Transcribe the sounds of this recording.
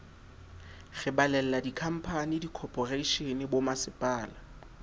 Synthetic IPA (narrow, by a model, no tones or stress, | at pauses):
ɣɪbalɛlladikʰam̩pʰanidikʰɔpʰʼɔreiʃenɪbomasɪpʼaːla